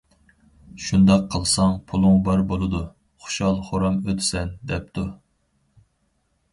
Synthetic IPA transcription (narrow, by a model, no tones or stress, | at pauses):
ʃund̪ɑqʰːəlˠsɑŋpʰulˠʊŋbɑɾbolˠɨd̪u | χʊ̥ʃɑlˠχoɾɑmøt̪ʰɪ̥sɛnd̪ɛp̚t̪ʰu